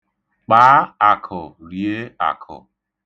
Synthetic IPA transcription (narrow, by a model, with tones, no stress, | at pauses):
k͡paː˨˦a˨kʰɔ˨ɾje˦a̰˨kʰɔ̰˨